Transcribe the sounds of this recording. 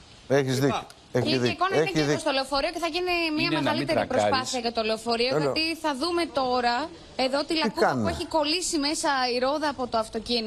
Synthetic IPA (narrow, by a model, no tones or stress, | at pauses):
eçizði | eçikonɐneiðiost̪oleofo̞ɾioceθɐʝinimɲiɐmɣɐlit̪eipɾospɐθiɐʝɐt̪oleofo̞ɾiot̪iθɐðume̞t̪o̞ɾɐ | e̞ðot̪ilɐikuɐnueçiko̞lisime̞sɐiɾo̞ðɐːpo̞t̪oɐft̪o̞cin